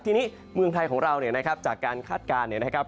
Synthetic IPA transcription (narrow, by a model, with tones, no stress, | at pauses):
t̪ʰiː˧niː˦˥˩ | mɯ˧əŋt̪ʰa˧jkʰɔː˩˦ŋɾa˧wni˨˩ɐna˦˥kʰɾa˦˥p̚t͡ɕaː˨˩kːaː˧nkʰaː˥˩t̪̚kaː˧nːi˨˩na˦˥kʰɾa˦˥p̚